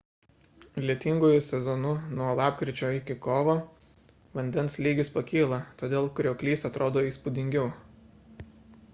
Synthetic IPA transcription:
lʲiɛt̪ʲɪŋɡʊjʊsʲɛzɔnʊnuɔlˠɑːpʲkɾʲɪt͡ʃʲoːɪkʲɪkoːʋo | ʋɐnʲd̪ʲɛnslʲiːɡʲɪspɐkʲiːlˠɐt̪oːd̪ʲeːlˠkɾʲoːkʲlʲiːsɐt̪ɾʔoːd̪oːiːspʊd̪ʲɪŋʲɡʲɛʊ

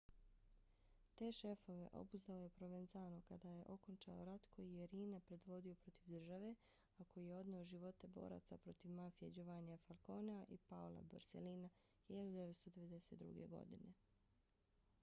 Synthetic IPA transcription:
t̪e̞ːʃe̞fo̞ʋe̞̰ʔo̞̰buzd̪aojepɾo̞ʋenzaːnokad̪aːje̞ʔo̞ko̞nt͡ʃa̰oɾat̪kʰo̞jijeɾiːnapɾe̞d̪ʋo̞d̪io̞pɾo̞t̪iʋd̪r̩ʒaʋe̞ | ako̞jijeo̞d̪neo̞ʒiʋo̞t̪e̞bo̞̰ːɾa̰t̪sapɾo̞t̪iʋmafije̞d͡ʒoʋaniafalko̞ːneaʔipaolˠa̰ba̰ɾseliːna | hiʎad̪ud̪eʋet̪st̪o̞d̪e̞ʋed̪e̞se̞ːt̪ɾṵɡe̞̰ɡo̞̰d̪ḭne̞

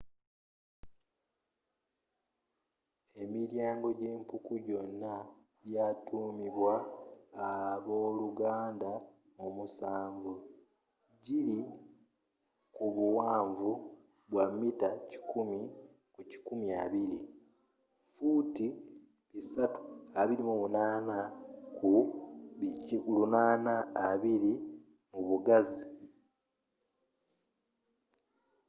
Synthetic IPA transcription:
e̞miɾjaːŋɡo̞ɟeːmpukuɟo̞nːa | βjaːtuːmiβwaː | βo̞ːluɡaːnda | omusaːɱvu | ɟili | kuβuwaːɱvu | βwamːitaci̥kumi | kuci̥kumiaβiɾi | futi | βisatu̥aβiɾimumunaːnaku | kulunaːnaːβiɾi | muβuɡazi

